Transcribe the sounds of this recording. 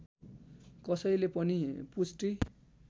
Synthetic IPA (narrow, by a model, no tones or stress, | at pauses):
kʌsʌjlepʌnipusʈi